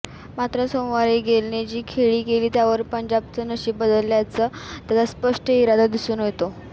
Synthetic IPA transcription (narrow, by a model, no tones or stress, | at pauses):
mat̪ɾəsomʋaɾiːɡʱelned͡ʑiːkʰeɭiːkeliːt̪jaʋəɾpəɲd͡ʑab̚t͡sənəɕiːbəd̪əljat͡səːt̪jat̪aspəʂʈəiɾad̪ʱad̪isuːnɦot̪o